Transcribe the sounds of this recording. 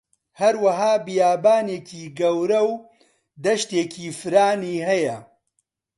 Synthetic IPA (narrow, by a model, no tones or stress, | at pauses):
hɐɾwɐɦaːbijaːbaːneːkʰiːɡɐwɾɐw | d̪ɐʃt̪eːkʰiːfɨɾaːniːɦɐjɐ